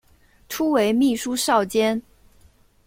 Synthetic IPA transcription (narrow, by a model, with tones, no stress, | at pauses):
ʈ͡ʂʰu˥we˧˥ɪmi˥˩ʂu˥ʂɑ˥˩ʊt͡ɕjɛ˥n